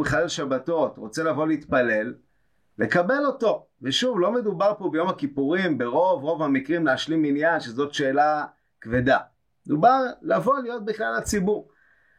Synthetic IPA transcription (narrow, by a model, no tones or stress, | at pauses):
beχalelʃabato̞tʁo̞t͡se̞lavo̞leit̪pale̞lː | e̞kabe̞lo̞to̞ | veʃuvlo̞me̞dubaʁpo̞bejo̞makipuʁimbeʁo̞vʁo̞vhamikʁimleaʃliminjanʃezo̞tʃe̞ːla | kve̞da | med̪ubaʁlavo̞lijo̞t̚biχlalat͡sibuʁ